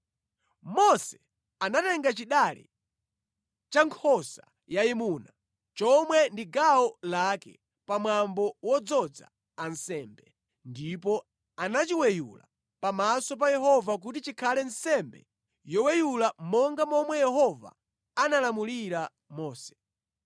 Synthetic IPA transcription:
mɔsɛ̥ | anatɛŋɡat͡ʃiɗalḭ | t͡ʃaŋkʰɔsa | jaimuna | t͡ʃɔmwɛndiɡaɔlakɛ̰ | pamwambɔwɔd͡zɔd͡za̰ | ansɛːmbɛ | ndip̬ɔ | anat͡ʃiwɛjula̰ | pamasɔp̬ajɛɦɔvak̬ut̬it͡ʃikʰalɛn̩sɛmbɛ̰ | jɔwɛjulamɔŋɡamɔmwɛjɛɦɔva̰ | analamuliɾa | mɔːsɛ̥

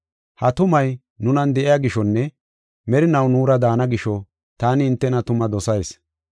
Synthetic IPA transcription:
hɐt̪ʊmɐj | nʊnɐnd̪ɛʔɪjaɡɪʃɔnːɛ | mɛɾɪnɐwnuːɾɐd̪aːnɐɡɪʃɔ | t̪aːnɪːnt̪ːɛnɐt̪ʊmɐd̪ɔsɐjs

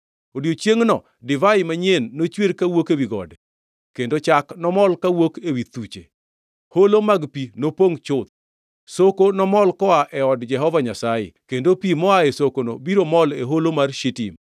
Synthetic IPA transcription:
odjot͡ʃjeŋnɔ | dɪvaɪmaɲenːot͡ʃweɾkawokewiɡɔ̰dɛ | kendot͡ʃaknɔmɔlkawokewit̪ut͡ʃḛ | holomaɡpinopoŋt͡ʃʊt̪̚ | sokonɔmɔlkɔaʔɛɔdd͡ʒɛɦɔvaɲasajɪ̰kendopimɔaesokonobiɾomɔleɦolomarʃitḭm

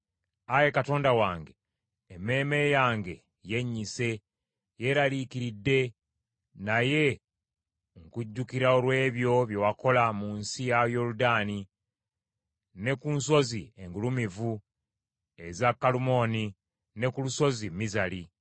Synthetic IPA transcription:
aje̞kato̞ːndawaːŋɡe̞ː | mːe̞ːme̞jaːŋɡe̞ | je̞ɲːise̞ | je̞ɾalikiɾidːe̞ | naje̞ | ŋkuɟːukiɾaolwe̞ːβjo̞βje̞wako̞lamuːnsijajo̞ludaːni | nekunso̞zie̞ŋɡulumivu | e̞zakːalumo̞ni | ne̞kuluso̞zimːizali

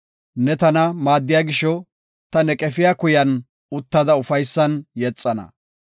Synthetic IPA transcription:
nɛt̪ɐnɐmaːd̪ːɪjaːɡɪʃɔ | t̪ɐnɛkʼɛfɪjaːkʊjɐn | ʊt̪ːɐd̪ɐʊfɐjsːɐnjɛt͡sʼːɐnɐ̰

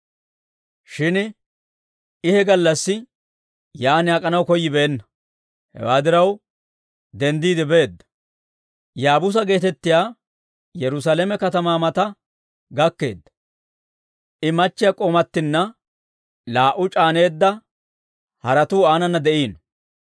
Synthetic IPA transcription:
ʃɪn | ɪhɛɡɐlːɐsːɪ | jaːnɪaːkʼɐnɐwkɔjːɪbeːnːɐ | hɛ̰waːd̪ɪɾɐw | d̪ɛnd̪iːd̪ɪbeːd̪ːɐ̥ | jaːbʊs̬ɐɡe̞ːt̪ɛt̪ːɪjaː | jɛɾʊs̬aːleːmɛkɐt̪ɐmaːmɐt̪ɐ | ɡɐkːe̞ːd̪ːɐ̥ | ʔɪmɐt͡ʃːɪjɐkʼoːmɐt̪ːɪnːɐ | laːʔʊt͡ʃʼaːne̞ːd̪ːɐ | hɐɾɐt̪uːaːnɐnːɐd̪ɛʔiːn

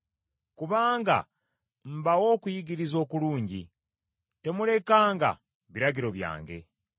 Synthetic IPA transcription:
kuβaːŋɡa̰ | m̩bawo̞ːkujiɡiɾizo̞ːkuluːɲɟi | te̞mule̞kaːŋɡa̰ | βiɾaɟiɾo̞βja̰ːŋɡe̞̰

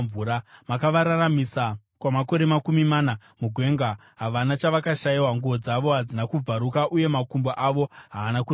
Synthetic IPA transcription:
uːɾamakaʋaɾaramisa | kwamako̞ɾe̞makumimaːna | muɡʱwe̞ːŋɡa | ɦaʋanat͡ʃaʋakaʃajiwaŋɡuʋo̞d͡zaʋo̞ɦad͡zinakub͡vaɾukaʔuje̞makumboʔaʋo̞ɦaːnaku

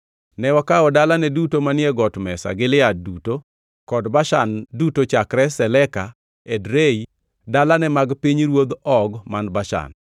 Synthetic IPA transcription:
nɛwakaɔdalanɛdutomanɪɛɡɔtmɛsa̰ɡɪlɪaduto | kɔdbaʃandutot͡ʃakɾɛsɛlɛka | edɾei | dalanɛmaɡpiɲɾwod̪ɔɡmanbaʃa̰n

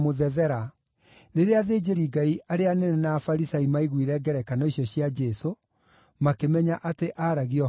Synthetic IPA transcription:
moðɛðɛɾa | ɾeɾeaðeːd͡ʒeɾiɡaiʔaɾeanɛnɛnaːfaɾisaimaiɣwiɾɛɡɛɾɛkanɔiɕjɔɕjad͡ʒɛso | makemɛɲaʔateʔaɾaɣiɔ

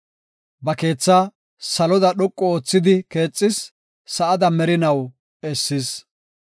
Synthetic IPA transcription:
bɐke̞ːt͡sːaː | sɐlɔd̪ɐɗɔkʼːɔoːt͡sːɪd̪ɪke̞ːt͡sʼːɪsː | ɐʔɐd̪ɐmɛɾɪnɐw | ɛsːɪs

